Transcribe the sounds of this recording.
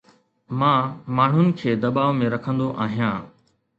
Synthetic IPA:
mãːmaːɳ̤ʊnɪ̆kʰeːd̪ɐɓaːʋmẽɾɐkʰə̃nd̪oʔaːɦijãː

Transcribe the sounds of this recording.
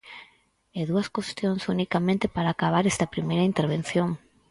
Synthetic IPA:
eðuɐskwest̪joŋsunikamẽnt̪epaɾaːkaβ̞aɾest̪ɐpɾimejɾɐint̪eɾβ̞en̟θjoŋ

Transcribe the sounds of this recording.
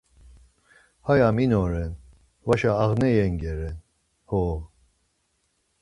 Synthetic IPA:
hajaminɔɾɛn | vaʃaːʁnɛjɛŋɡɛɾɛn | hɔ

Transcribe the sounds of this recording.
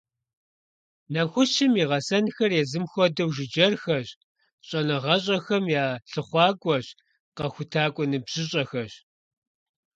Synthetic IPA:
nɐxʷʊʃɪmiːʁɐsɐnxɐrjɛzɨmxʷɔdɐwʒɪd͡ʒɐrxɐɕ | ɕʼɐnɐʁɐɕʼɐxɐmjaːɬɨχʷɑːɡʷʼɔɕ | qɐxʷʊtʰaːkʷʼɔnɨbʑ̥ɪɕʼɐxɐɕ

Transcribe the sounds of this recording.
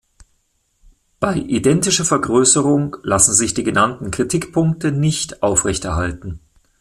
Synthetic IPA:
b̥aɪʔidɛntɪʃɐfɛɐɡʁøːsəʁʊŋlasn̩zɪçd̥iːɡənantn̩kʁ̥itʰɪkpʰʊŋk̚tənɪçtʔaʊfʁɛçtɛɐɦaltn̩

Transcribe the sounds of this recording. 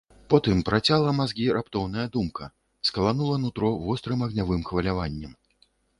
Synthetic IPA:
pɔt̪ɨmpɾʔat͡sʲalˠɐmazɡʲiɾʔapt̪ɔwnɐjɐd̪umkɐ | skɐlˠanulˠɐnut̪ɾɔvɔst̪ɾɨmɐɣnʲavɨmxvɐlʲavanʲːɛm

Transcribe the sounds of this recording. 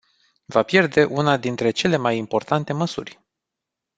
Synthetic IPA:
vapje̞rd̪e̞ʔunad̪int̪ɾe̞t͡ʃe̞le̞majimpo̞rt̪ant̪e̞məsurʲ

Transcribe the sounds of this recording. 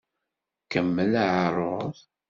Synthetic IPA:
kəmːəlaʕərˤoð

